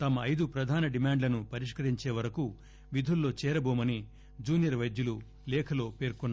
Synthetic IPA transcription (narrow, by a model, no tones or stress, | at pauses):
t̪ɐmɐːjd̪upɾɐd̪ʱaːnɐɖimaːɳɖlɐnupɐɾiʂkɐɾiɲt͡ʃe̞ːʋɐɾɐku | ʋid̪ʱulːo̞ːt͡ʃɛːɾɐboːmɐni | d͡ʒuːnijɐɾʋɐjd̪julu | lɛːkʰɐlo̞ːpe̞ːɾkunːa